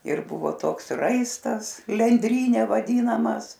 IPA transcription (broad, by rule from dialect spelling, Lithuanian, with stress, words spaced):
ɪr ˈbʊʋoː ˈtoːks ˈrɐɪstɐs lʲɛnʲˈdʲrʲiːnʲɛ ʋɐˈdʲiːnɐmɐs